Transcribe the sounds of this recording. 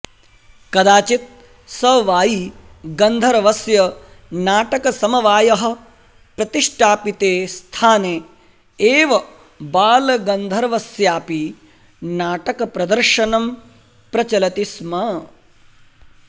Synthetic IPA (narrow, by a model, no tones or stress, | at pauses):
kɐd̪aːt͡ʃit̪̚ | sɐʋaːji | ɡɐnd̪ʱɐɾɐʋɐsjɐ | naːʈɐkɐsɐmɐʋaːjɐɦɐ̆ | pɾɐt̪iʂʈʰaːpit̪eːst̪ʰaːneː | eːʋɐ | baːlɐɡɐnd̪ʱɐɾɐʋɐsjaːpi | naːʈɐkɐpɾɐd̪ɐɾʃɐnɐm | pɾɐt͡ʃɐlɐt̪ismɐ